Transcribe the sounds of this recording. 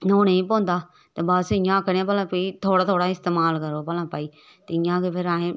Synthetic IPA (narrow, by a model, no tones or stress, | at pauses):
noːneĩːpõːnd̪aː | t̪eːbasɪjãːkəɾãːpəlãːpiit̪ʰoːɽaːt̪ʰoːɽaːɪst̪eːmaːlkəɾoːpəlãːpaːiː | t̪eɪjãːkepʰɪɾaːẽː